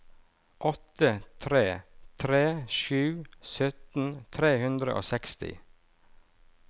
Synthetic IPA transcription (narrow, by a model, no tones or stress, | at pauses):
ʔɔt̪ət̪ʰɾeːt̪ʰɾeːʃʉːsœt̪n̩t̪ʰɾeːhʉnd̪ɾə̰ʔo̰ːsɛkst̪ɪ̰